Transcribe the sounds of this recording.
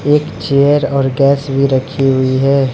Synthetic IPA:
eːkt͡ʃeːəɾɔːɾɡɛːsbʱiɾɐkʰiɦʊiɦɛː

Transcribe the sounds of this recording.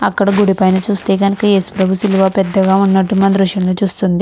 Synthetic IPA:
ɐkːɐɽɐɡuɽipɐjnɐt͡ʃuːst̪e̞ːkɐnɐkɐeːsu̥pɾɐbʱusiluʋaːpɛd̪ːɐɡaːunːɐʈːumɐnd̪ɾuʂjɐmloːt͡ʃuːst̪und̪i

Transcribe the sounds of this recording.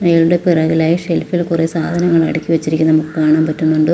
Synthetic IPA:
nɐjɐɭuɽe̞pirɐɣilaːjiʂelfilkuresaːd̪ʱɐnɐŋːɐɭɐ̰ɽikʲːiʋɐt͡ɕːiɾikʲːunɐmukːɨkaːɳaːmpɐtːunːuɳɖɨ

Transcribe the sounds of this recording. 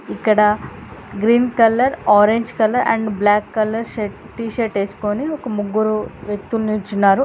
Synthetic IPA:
ikːɐɽɐɡɾiːnkɐlːɐɾaːɾeɲd͡ʒkɐlːɐɾʔɐ̰ɳɖblaːkːɐlːɐɾʃeʈ | ʈiːʃeʈeːsu̥koniɔkɐmuɡːuɾuʋjek̚t̪ulniːt͡ʃːunːaːɾu

